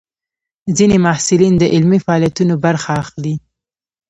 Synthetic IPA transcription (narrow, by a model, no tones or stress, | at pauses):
zinemahsɪlind̪əʔɪlmifaɑljat̪unobaɾxaːxli